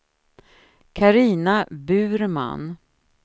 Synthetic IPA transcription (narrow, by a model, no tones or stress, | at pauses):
kʰaɾiːnabʉ̟ːɾma̰n